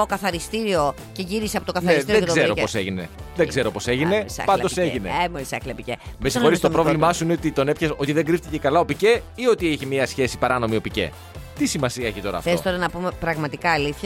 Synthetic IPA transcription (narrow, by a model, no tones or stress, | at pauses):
okɐθɐɾist̪iɾio̞ | ce̞ʝiɾiseɐpo̞t̪okɐθnɐɾesðeoɡ̪zzeooseʝine̞̰ðeɡze̞ɾo̞po̞se̞ʝine̞sɐ̰pɐnd̪o̞se̞ʝineemoisɐklɐpicemesoɾist̪opɾo̞vlimɐsuineot̪it̪o̞ne̞pçeso̞t̪iðeŋɡɾift̪ice̞kɐlɐo̞pice̞io̞t̪ieçimiɐsçe̞si̥pɐɾɐno̞mio̞pice̞̰ | t̪isimɐsiɐeçit̪o̞ɾɐ̰fθeost̪oɾɐnɐpume̞pɾɐɣmɐt̪ikɐːliθçɐ